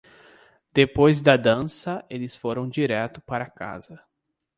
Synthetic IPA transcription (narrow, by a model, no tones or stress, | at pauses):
d̪̥epojzd̪ɐd̪ɐ̃sɐelɪsfoɾɐ̃w̃d͡ʒiɾɛt̪ʊ̥paɾɐaka̰zɐ